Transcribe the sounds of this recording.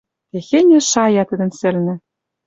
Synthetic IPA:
k̪exenʲɘ̆ʃɑjɑt̪ɘ̆d̪ɘ̆nsɘ̆lnɘ̆

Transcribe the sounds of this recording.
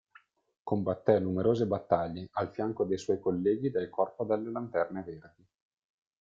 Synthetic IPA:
kombat̪ːɛnumeɾoːzebat̪ːaʎːeʔalfjaŋkod̪ejswɔjkolːɛːɡid̪elkʰɔrpod̪elːelant̪ɛrneverd̪i

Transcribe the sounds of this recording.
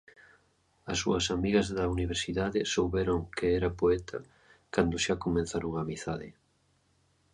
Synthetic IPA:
ɐsːuɐsamiɣɐzðɐuniβ̞eɾsiðaðɪsowβɛɾoŋkʰɪɛɾɐpoɛt̪ʰɐ̰ | kand̪ʊʃakomẽnθaɾoŋamiθaðɪ̰

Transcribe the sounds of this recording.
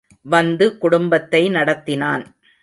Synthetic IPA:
ʋɐnd̪ɯkʊɽʊmbɐt̪ːɐɪnɐɽɐt̪ːɪnaːn

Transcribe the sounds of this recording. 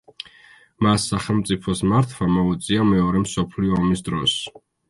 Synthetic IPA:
masːaχɛlˠmt̪sʼipʰɔsmaɾt̪ʰwamɔut̪sʼiamɛɔɾɛmsɔpʰliɔɔmis̬d̪ɾɔ̰s

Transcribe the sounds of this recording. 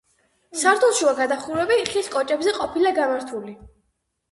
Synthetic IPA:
saɾt̪ʰulˠʃiaɡad̪aχuɾɛbiχiskʼɔt͡ʃʼɛbzɛqʼɔpʰilaɡamaɾt̪ʰuli

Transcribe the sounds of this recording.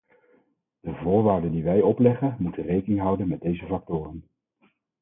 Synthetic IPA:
d̥əvʊːɹʋaːɹdəndiʋɛjɔplɛχənmutənrejkənɪŋɦʌwdənmɛd̚dejzəvɑk̚tʊːrən

